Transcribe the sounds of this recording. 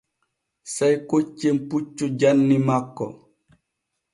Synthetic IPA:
sajkot͡ʃːemput͡ʃːud͡ʒanːimakːɔ̰

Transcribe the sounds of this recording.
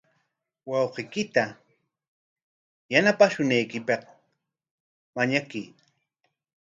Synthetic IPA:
wɑwqɪkɪt̪a | janapaʃʊnajkɪpɑq | maɲakiː

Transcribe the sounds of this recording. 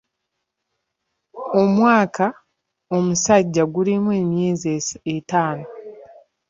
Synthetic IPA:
o̞mwaːka | o̞musaɟːaɡulimwe̞ːmjeːzieetaːno̞

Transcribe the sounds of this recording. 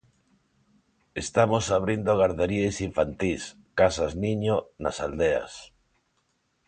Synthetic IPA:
est̪amosaβ̞ɾind̪oɣ̞aɾðeɾiejsiɱfant̪is | kasazniɲona̰sald̪ea̰s

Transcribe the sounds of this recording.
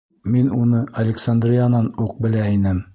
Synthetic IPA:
minunɤɐlʲɪksand̪rʲijanɑnuq̚bɘ̆læinɘm

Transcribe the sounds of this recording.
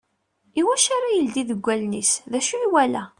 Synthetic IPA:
iwæʃaɾajəld̪iðəɡʷːælnisðæʃuwælæ

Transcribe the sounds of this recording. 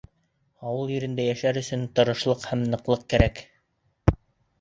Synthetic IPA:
ɑwɤlˠjɵ̆ɾɘ̆nd̪æjæʃæɾɵ̆sɵnt̪ɤ̆ɾɤ̆ʃlˠɤqhæmnɤ̆qlˠɤq̚kæɾæk

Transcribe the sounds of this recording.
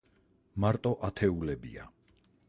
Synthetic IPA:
maɾt̪ʼɔʔat̪ʰɛulɛbḭa

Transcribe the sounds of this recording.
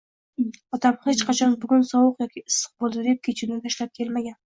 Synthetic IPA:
ɒt̪amhet͡ʃqʰɑt͡ʃʰɒnbʊɡʲʊnsɒwʊqjɒkʲʰiɪsɨ̥q̚bolˠd̪ɪd̪ep̚kʲʰet͡ʃʰɪnɪt̪ʰaʃlap̚kʲʰe̞lmaɡʲan

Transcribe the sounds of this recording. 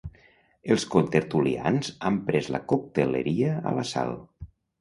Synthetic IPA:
əlˠskont̪eɾt̪ulia̰nzampɾɛzlə̰kok̚t̪eleɾiəə̰ləsa̰lˠ

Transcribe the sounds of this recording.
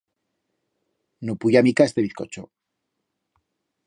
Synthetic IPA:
nupuʝamikaest̪eβiθko̞t͡ʃo

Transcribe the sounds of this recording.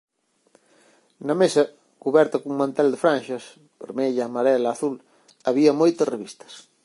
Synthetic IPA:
nɐmesɐ | kuβɛɾt̪ɐkuŋmãnt̪ɛld̪ɪfɾãnʃɐs | peɾmeʎaːmaɾɛlɐːθul | aβiɐmojt̪ɐsreβist̪ɐ̥s

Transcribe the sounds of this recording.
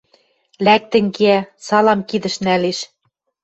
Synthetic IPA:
læk̚t̪ɘ̆ŋkeæsɑlɑmkid̪ɘ̆ʃnæleʃ

